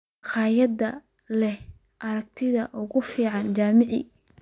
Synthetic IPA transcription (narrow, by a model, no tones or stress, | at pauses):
χɑːjɐd̪ɐ | lɛh | ʔɐɾɐɡ̚t̪ʰɪðɐʔʊɣʊfiːʕɑnt͡ʃaːmɪʕḭ